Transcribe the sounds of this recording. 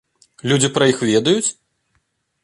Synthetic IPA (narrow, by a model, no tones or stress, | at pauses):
lʲud͡zʲipɾɐjixvʲɛd̪ɐjut͡sʲ